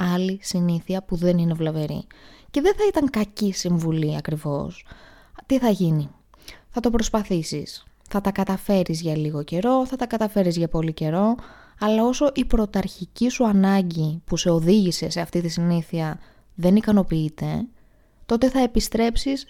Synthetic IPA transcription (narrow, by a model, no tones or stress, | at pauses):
ɐlisiniθiɐpuðe̞nine̞vlɐve̞ɾḭce̞ðe̞nθɐit̪ɐŋkɐcisiɱvuliɐkɾivo̞̰s | t̪iθɐʝini | θɐt̪o̞pɾo̞spɐθisis | θɐt̪ɐkɐt̪ɐfe̞ɾizʝɐliɣo̞ce̞ɾo̞θɐt̪ɐkɐt̪ɐfe̞ɾizʝɐpo̞lice̞ɾo̞ | ɐlɐo̞so̞ʔipɾo̞t̪ɐɾçicisuɐnɐɲɟipuse̞o̞ðiʝise̞se̞ɐft̪it̪isiniθiɐ | ðe̞nikɐno̞piit̪e̞ | t̪o̞t̪e̞θɐe̞pist̪ɾe̞psis